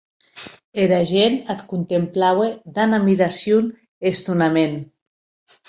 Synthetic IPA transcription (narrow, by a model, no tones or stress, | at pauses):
eɾaʒenat̪kunt̪emplawed̪anamiɾasjun | est̪unamen